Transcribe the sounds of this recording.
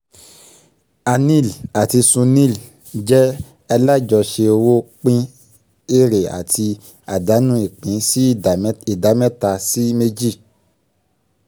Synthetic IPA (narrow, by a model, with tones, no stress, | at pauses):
a˧nĩ˦˨la˨ti˧sũ˧nĩ˦˨l | d͡ʒɛ˦ | ɛ˧la˦d͡ʒɔ˨ʃe˧o˧wo˦k͡pĩ˦ | e˦˨ɾe˨a̰˨ti˧ | a˨da˨˦nũ˦i˨k͡pĩ˨˦si˦˨˦i˨da˨˦mɛ˦ta˧si˦me˦d͡ʒi˦˨